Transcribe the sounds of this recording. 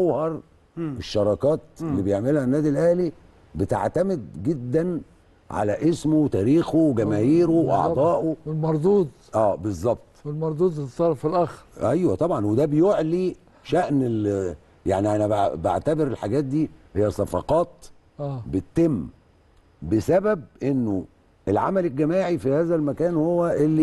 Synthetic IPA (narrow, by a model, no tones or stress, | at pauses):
æwhɑɾˤ | ʔeʃːɑɾˤɑkɑːt̪̚elːibejeʕmelhænːæːd̪ilʔæhli | bet̪a̰ʕt̪æmed̪̚ɡed̪ːæn | ʕa̰læʔesmowt̪æːɾiːxowɡæmæːhiːɾowʔɑ̰ʕd̪ˤɑːʔoelmɑɾˤd̪ˤuːd̪ | ʔæːbezˤːɑb̚t̪ˤwelmɑɾˤd̪uːd̪ˤt̪sˤɑɾˤɑfilʔæxɾʔæjwæt̪ˤɑbʕɑnwed̪æbejoʕli | ʃæʔnel | ja̰ʕniʔænæbaba̰ʕt̪æbeɾelħaɡæːt̪̚d̪iːhejːæsˤɑfɑ̰qɑːt̪ː | bet̪ːemː | besæbæb̚ʔenːo | ʔelʕa̰mælelɡːæmæːʕifihæːzælmækæːnhowːæʔelːi